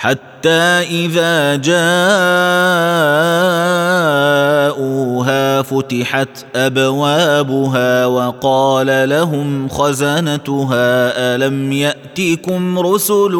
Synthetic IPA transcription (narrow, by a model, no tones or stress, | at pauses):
ħat̪ːaːʔɪðaːd͡ʒaː | ʔʊɦaːfʊt̪ɪħat̪ʔabawaːbʊɦaːwɑqɑːlalaɦʊmxazanat̪ʊɦaːʔalamjaʔt̪iːkʊmɾʊsʊl